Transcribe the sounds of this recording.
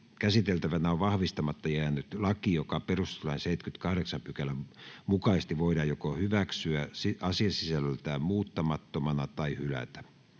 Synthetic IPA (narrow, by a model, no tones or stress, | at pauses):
kæsit̪elt̪æʋænæoʋɑhʋist̪ɑmɑt̪ːɑjeænːyt̪lɑkijokɑperust̪elɑinseit̪kyt̪kɑhɾeksɑmpykælːæmukɑist̪iʋoidɑːjjokohyʋæksyæsiɑsiɑsisællt̪æːmuːt̪ːɑmɑt̪ːomɑnɑt̪ɑihylæ̰t̪æ̥